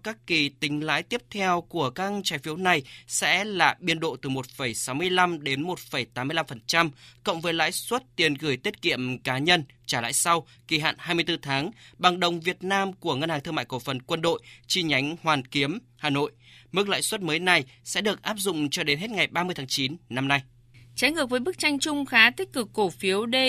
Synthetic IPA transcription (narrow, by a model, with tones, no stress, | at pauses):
kaː˦˥kːi˨˩t̪ï˨˦ŋ̟la̰ː˧˥jt̪i˦˥əp̚t̪ʰɛ˧wku˧˩əkaː˦˥k̚t͡ɕaː˨˦jfi˨˦əwna˨˩jsɛ̰˧˥laː˨˩ɓi˧ənɗo̰˧˨t̪ɨ˨˩mo˨˩t̚fə˨˧˩jsa˨˦wmɨ˧əjla˧mɗe˨˦nmo˨˩t̚fə˨˩jt̪aː˨˦mː˧əla˧mfə˨˩nt͡ɕa˧mkə̰˧˨wŋ͡mvəː˨˦jla̰ː˧˥jswə˦˥t̚t̪i˨˩ənɣɨ˧˩əjt̪i˦˥ət̚kḭ˧˨əmkaː˨˦ɲə˧nt͡ɕaː˧˩la̰ː˧˨jsa˧w | ki˨˩ɦa̰ː˧˨nhaː˧jmɨ˧əjt̪ɨ˧t̪ʰaː˨˦ŋɓa˨˩ŋɗə˨˩wŋ͡mvi˨˩ət̚naː˧mku˧˩əŋə˧nhaː˨˩ŋt̪ɨ˧ŋma̰˧˨jko˧˩fə˨˩nkwə˧nɗo̰˧˨jt͡ɕi˧ɲa˨˦jŋ̟hwaː˨˩nki˨˦əm | haː˨˩no̰˧˨jmɨ˦˥k̚la̰ː˧˥jswə˦˥t̚məː˨˦jna˨˩jsɛ̰˧˥ɗɨ˨˩ək̚ʔaː˦˥p̚zʊ̰˧˨ŋ͡mt͡ɕɔ˧ɗe˨˦nɦe˦˥t̚ŋa˨˩jɓaː˧mɨ˧əjt̪ʰaː˨˦ŋt͡ɕi˨˦nna˧mna˧j | t͡ɕa˨˦jŋɨ˨˩ək̚ə˨˦jɓɨ˦˥k̚t͡ɕa˧jŋ̟t͡ɕʊ˧ŋ͡mxaː˨˦t̪ï˦˥k̟̚kɨ˨˩kːo˧˩fi˨˦əwɗe˧